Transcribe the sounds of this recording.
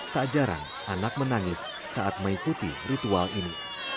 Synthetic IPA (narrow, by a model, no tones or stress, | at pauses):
t̪ad͡ʒaɾa̰n | ʔanak̚mənaŋɪsː | aat̪̚maŋikut̪ḭrit̪ualini